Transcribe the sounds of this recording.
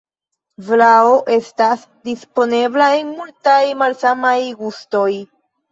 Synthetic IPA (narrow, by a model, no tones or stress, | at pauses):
vlaoʔe̞stas | dispo̞ne̞blae̞nmultajmalsamajɡusto̞j